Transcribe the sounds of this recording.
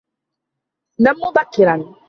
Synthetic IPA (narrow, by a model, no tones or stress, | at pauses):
namːubakiɾan